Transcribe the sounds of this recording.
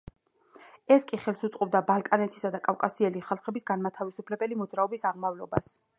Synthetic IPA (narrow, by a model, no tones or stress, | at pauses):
ɛskʼiχɛlˠsut̪sʼqʼɔb̚d̪abalˠkʼanɛt̪ʰi̥sad̪akʼafkʼasiɛliχalˠχɛbisɡanmat̪ʰavisupʰlɛbɛlimɔd̪zɾaɔbisaʁmavlɔbas